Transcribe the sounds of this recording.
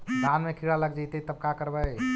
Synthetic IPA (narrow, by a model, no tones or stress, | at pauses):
d̪ʱanmekʰiɽaləɡd͡ʒajt̪et̪əb̚kakəɾbəj